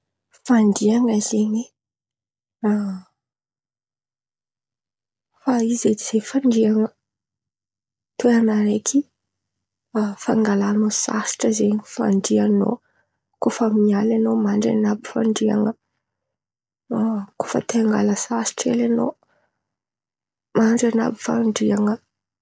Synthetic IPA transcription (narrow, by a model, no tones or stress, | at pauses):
faɳɖ͡ʐiaŋəzeɲi | a | faized̪iz̥efaɳɖ͡ʐiaŋə | t̪eanaɾekʰi | faŋɡalanosa̰si̥ʈ͡ʂəzeɲfa̰ɳɖ͡ʐiano̰ | kofəmiɲalanomaɳɖ͡ʐḛnabifa̰ɳɖ͡ʐia̰ŋə | kofə̰t̪eaŋɡa̰ləsasi̥ʈ͡ʂelano̰ | maɳɖ͡ʐana̰bifa̰ɳɖ͡ʐiaŋə